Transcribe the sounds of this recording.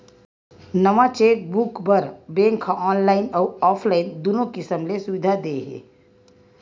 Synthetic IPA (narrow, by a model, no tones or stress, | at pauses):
nɐʋat͡ʃeːk̚bʊkbəɾbẽːŋkʰːaʔɔːnlaːɪnɔːɔːpʰlaːɪnd̪onõkɪsəmlesʊʋɪd̪ʱad̪eɦɛ̰ː